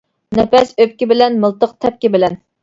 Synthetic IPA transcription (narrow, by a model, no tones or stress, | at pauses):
nɛpɛsøp̚kʲibɪlɛnməlˠt̪əq̚t̪ʰɛp̚kʲɪbɪlɛn